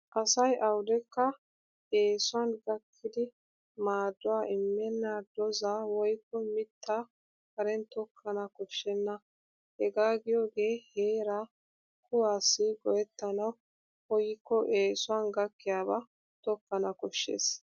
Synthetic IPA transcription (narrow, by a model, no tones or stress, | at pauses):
ʔɐsɐjʔɐwd̪ɛkːɐ | e̞ːsʊanɡɐkʰːɪd̪ɪ | maːd̪ːʊwaːʔɪmːɛnːad̪ɔzawɔjkːɔmɪt̪ːa | kɐɾɛnt̪ɔkʰːɐnɐkɔʃːɛnːɐ | hɛɡaːɡɪjoːɡe̞ːheːɾa | kʰʊwaːsːɪɡɔʔɛt̪ːɐnɐw | hɔjɪkːɔʔeːsʊwanɡɐkːɪjaːbɐ | t̪ɔkːɐnɐkɔʃːḛːs